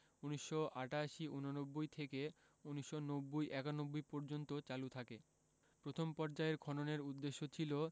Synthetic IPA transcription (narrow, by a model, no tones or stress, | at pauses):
uniʃːoʔaʈaʃiʔunonobːojt̪ʰeke | uniʃːonobːojʔɛkanobːojpɔɾd͡ʑont̪ot͡ɕalut̪ʰake | pɾot̪ʰompɔɾd͡ʑaeɾɡʱɔnoneɾud̪ːeʃːot͡ɕʰilo